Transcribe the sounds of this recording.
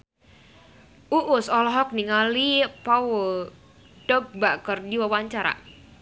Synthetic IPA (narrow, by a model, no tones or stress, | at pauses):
ʔuʔʊsɔlɔɦɔk̚niŋalipaul | dɔp̚bakərdiwawaɲt͡ʃaɾa̰